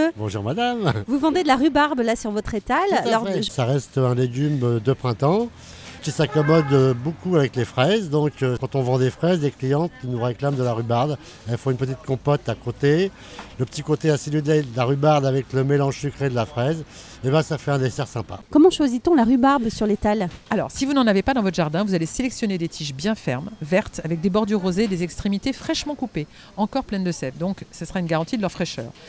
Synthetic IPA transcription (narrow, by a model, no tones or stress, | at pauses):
bɔ̃ʒuʁmad̪amvuvɑ̃d̪ed̪əlaʁybaʁblasyʁvɔt̪χet̪allɔʁɛʒsaʁɛst̪ɛ̃leɡʲymd̪əpχɛ̃t̪ɑ̃ | kʲisakɔmɔd̪bokuavɛklefχɛzd̪ɔ̃køkɑ̃t̪ɔ̃vɑ̃d̪efχɛzleklijɑ̃t̪nuʁeklamd̪əlaʁybaʁd̪ | ɛlfɔ̃ynpət̪̬it̪̚kɔ̃pɔt̪akot̪e | ləpə̥t̪ikot̪easilyd̪ed̪əlaʁybaʁd̪avɛkləmelɑ̃ʒsykχed̪əlafχɛz | ebɛ̃safɛɛ̃d̪esɛʁsɛ̃pa̰kɔmɑ̃ʃwazit̪ɔ̃laʁybaʁbsyʁlet̪alalɔ̰ːʁsivunɑ̃navepad̪ɑ̃vɔt̪χʒaʁd̪ɛ̃vuzaleselɛksjɔned̪et̪ʰiʃbjɛ̃fɛʁmvɛʁt̪avɛk̚d̪ebɔʁd̪yʁːozeːd̪ezɛkst̪χemit̪efχɛʃmɑ̃kupe | ɑ̃kɔʁplɛnd̪əsɛvd̪ɔ̃ksəsəʁaynɡaʁɑ̃t̪id̪əlœʁfχɛʃœ̰ːʁ